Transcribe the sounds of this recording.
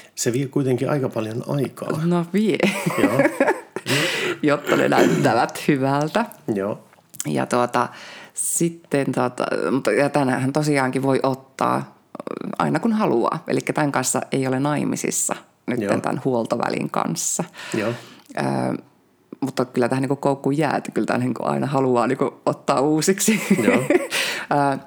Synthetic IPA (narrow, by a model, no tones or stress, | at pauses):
seʋiekuit̪eŋkiʔɑ̰ikɑpɑljonɑikɑ̰noʋiejo | jot̪ːɑnḛnæyt̪ːæʋæt̪hyʋælt̪æjoː | jɑ̰t̪uot̪ɑsit̪ːent̪ot̪ɑ̰mut̪ːɑjɑt̪ænhæhænt̪osiɑːŋkiʋoiʔot̪ːɑ̰ː | ɑ̰inɑkunhɑluɑ̰ːʔḛlikːæt̪æŋkɑnsːɑ̰eiolenɑimḭsḭsːɑ | nyt̪ːḛnt̪æ̰nhuolt̪oʋæ̰lḭŋkɑ̰nsːɑ | ʔə̰ː | mut̪ːɑkylːæt̪æhæniŋkukkoukːujjæ̰ːet̪kylt̪æ̰niːŋkṵʔɑ̰inɑhɑluɑːniːŋkuot̪ːɑːuːsiksi | əː